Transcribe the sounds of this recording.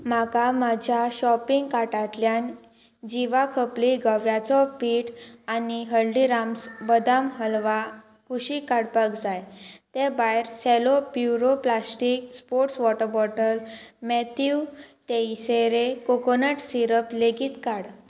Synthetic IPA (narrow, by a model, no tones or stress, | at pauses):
m̤akamad͡ʑʱjaɕɔpiŋɡkaʈat̪ljan | d͡ʑiʋakʰəpliɡəʋjat͡sɔpiːʈaniɦəlɖiɾamsbəd̪amɦəlʋa | kuɕikaɽpəkd͡zajt̪ebajɾselopjuɾoplasʈik̚spoɾʈsʋɔʈəɾbɔʈəlmɛt̪ʰuʈ̪eiseɾekokonəʈsiɾəpleɡiːt̪kaɽ